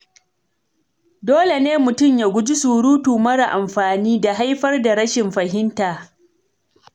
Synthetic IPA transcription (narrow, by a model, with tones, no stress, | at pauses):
doː˦le˨neː˦mʊ˨tʊ˦˨mjaː˨ɡʷʊ˦d͡ʒi˦suː˨ɽuː˦tuː˨mɐ˦ɽa˨ʔa˨mɸaː˨niː˦da˨ɦa˦jɸɐ˦rda˨ɽɐ˦ʃɪ˨mɸɐ˨hɪ˦ntaː˨